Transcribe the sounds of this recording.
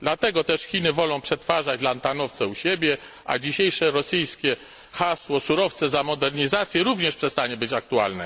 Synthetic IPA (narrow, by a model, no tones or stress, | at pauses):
d̪lat̪ɛɡɔt̪ɛʂxʲinɘvɔlɔ̃w̃pʂɛt̪faʐad͡ʑ̪lant̪anɔft̪sɛuɕebʲjɛ | ʔa̰d͡ʑiɕejʂɛɾɔsɘjskʲɛ | xaswɔsuɾɔft̪sɛzamɔd̪ɛɾɲizat̪sʲjɛɾuvɲɛʂpʂɛst̪aɲɛbɘt͡ɕak̚t̪ua̰lnɛ̰